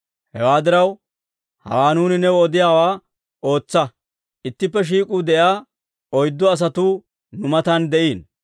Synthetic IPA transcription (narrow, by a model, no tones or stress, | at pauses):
hɛ̰waːd̪ɪɾɐw | hɐ̰waːnuːnɪnːɛɔd̪ɪjaːwaː | o̞ːt͡sːɐ | ʔɪt̪ːɪpːɛʃ̬iːkʼuːd̪ɛʔaː | ɔjd̪ːɔɐs̬ɐt̪uː | nʊmɐt̪ɐnd̪ɛʔiːn